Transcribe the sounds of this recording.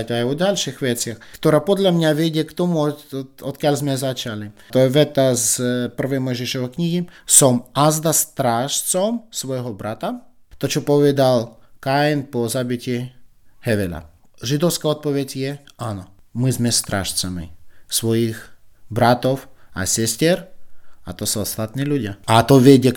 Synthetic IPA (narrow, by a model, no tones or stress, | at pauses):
tajɔɟalʲʃixʋɛt̪t͡sɪaxkt̪ɔɾaːpɔd̪lʲamɲaʋɛɟɛkt̪ɔmuɔɔt̪kjalʲzmɛzat͡ʃalit̪ɔjɛʋɛt̪azpr̩ʋɛjmɔjʒɛʃɔʋɛjkɲiɦisɔmazd̪ast̪ɾaːʃt͡sɔmsʋɔjɦɔbɾʔat̪a | t̪ɔt͡ʃɔpɔʋɛd̪alˠkaɛnpɔzabicʲɪɛ | hɛʋɛla̰ | ʒid̪ɔwskaɔt̪̚pɔʋɛzjɛanɔmizmɛst̪ɾa̰ːʃt͡samḭsʋɔjixbɾat̪ɔwa̰sɛstʲɛɾa̰t̪ɔsuɔst̪at̪niːluɟɪaat̪ɔʋjɛɟɛ